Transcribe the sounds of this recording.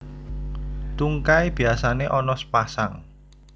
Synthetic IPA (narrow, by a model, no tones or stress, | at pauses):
t̪uŋkaib̥i̤asaneʔɔnɔspasaŋ